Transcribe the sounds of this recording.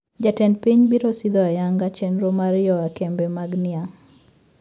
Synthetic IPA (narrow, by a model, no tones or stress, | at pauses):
d͡ʒatɛnpiɲbiɾosid̪ɔajaŋɡat͡ʃɛnɾomaɾjɔakɛmbɛmaɡnɪaŋ